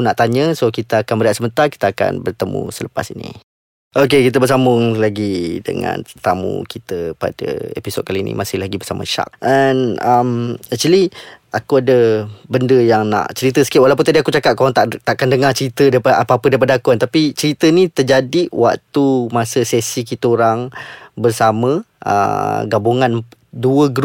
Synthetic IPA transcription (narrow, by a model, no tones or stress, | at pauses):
unaʔt̪aɲəsokit̪aakanmbəɾaʔ̪səmənt̪arki̥t̪aːka̰nbərt̪əmṵsələpa̰sinḭ | ok̬ekit̪̬əbərs̬amʊŋlaɡidə̰ŋã̰nət̪amṵkit̪əpa̰də̰ḛpiso̰d̚kalinḭmasɪhlaɡibərsamə̰ʃa̰k̚anamat͡ʃali | akuadəbəndəjaŋna̰ʔt͡ʃəɾit̪̬əsə̥kɪʔwalapʊnt̪adiakut͡ʃakat̪̚kaaŋt̪aʔt̪aʔkandəŋat͡ʃəɾit̪ədaapaapədaip̬adaakuant̪apit͡ʃəɾit̪ənit̪ərd͡ʒadiʔwa̰k̚t̪umasəsɛsik̬it̪əoɾaŋbərsaməə̰ɡabuŋan | duəɡɾ